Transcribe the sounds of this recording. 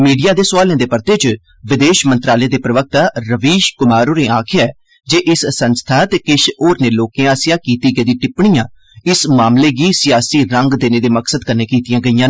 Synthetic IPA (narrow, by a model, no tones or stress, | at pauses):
miːɖijaːd̪eːsʊʋaːlẽːd̪eːpəɾt̪eːt͡ʃ | ʋɪd̪eːʃmənt̪ɾaːleːd̪eːpɾəʋək̚t̪aːɾəʋiːʃkʊmaːɾoːneːaːkʰɪjaːɛː | d͡ʒeːʔɪsːənst̪ʰaːt̪eːkɪʃoːɾneːloːkẽːaːsjaːkiːt̪iːɡəd̪ĩːʈɪpɳijãː | ɪsmaːmleːɡiːsɪjaːsiːɾəŋɡd̪eːneːd̪eːməksəd̪kəɾneːkiːt̪ɪjãːɡəijãː